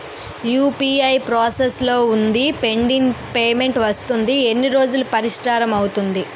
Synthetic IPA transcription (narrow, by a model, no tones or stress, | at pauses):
juːpiːɐjpɾaːseslo̞ːund̪ipe̞ɳɖiŋpeːme̞ɳʈʋɐst̪und̪ie̞nːiɾo̞ːd͡ʒulupɐɾiʂʈaːɾɐmɐwut̪und̪i